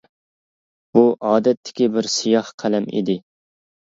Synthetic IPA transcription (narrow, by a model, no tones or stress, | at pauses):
b̥uʔɑːd̪ɛt̪ʰːɪ̥kʲibɪɾsijɑhqʰælɛmḭd̪ɪ